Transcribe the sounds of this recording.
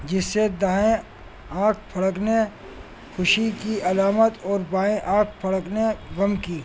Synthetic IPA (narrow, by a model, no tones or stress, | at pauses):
d͡ʒɪsːed̪ãːẽ | ãːkʰpʰɐɽəkne | xʊʃikiɐlaːmət̪ɔːɾbaːẽʔãːkʰpʰɐɽəkneɣɐmkiː